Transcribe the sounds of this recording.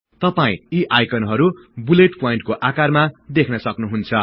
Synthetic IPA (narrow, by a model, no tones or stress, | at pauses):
t̪ʌpaĩiʔajkʰʌnɦʌɾu | buleʈpojĩɳʈ̚koʔakarmad̪ekʰnʌsʌknuɦunt͡sʰʌ